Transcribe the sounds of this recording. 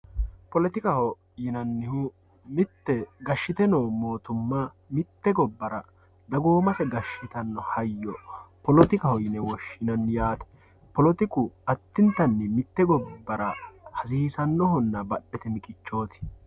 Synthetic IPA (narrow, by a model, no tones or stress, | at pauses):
pɔlɛt̪ɪkɐhɔ | jɪnɐnːɪhʊ | mɪt̪ːɛɡɐʃːɪt̪ɛnoːmo̞ːt̪ʊmːɐ | mɪt̪ːɛɡɔbːɐɾɐ | d̪ɐɡoːmɐsɛɡɐʃːɪt̪ɐnːɔhɐjːɔpɔlɔt̪ɪkɐhɔjɪnɛwɔʃːɪnɐnːjaːt̪ɛ̥ | pɔlɔt̪ɪkʊɐt̪ːɪnt̪ɐnːɪmɪt̪ːɛɡɔbːɐɾɐhɐsiːsɐnːɔhɔnːɐbɐɗːɛt̪ɛmɪkʼɪt͡ʃːo̞ːt̪ɪ̥